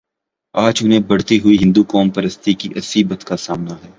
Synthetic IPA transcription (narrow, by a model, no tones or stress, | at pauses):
aːd͡ʒʊnɦẽbɐɽt̪iɦʊiɦɪ̃nd̪ukɔːmpɐɾəst̪ikiʔɐsiːbət̪kasaːmnaɦɛː